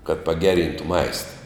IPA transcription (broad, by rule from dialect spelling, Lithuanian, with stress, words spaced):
kɐt pɐˈɡʲæːˌrʲiːntʊ ˈmɐɪstɐ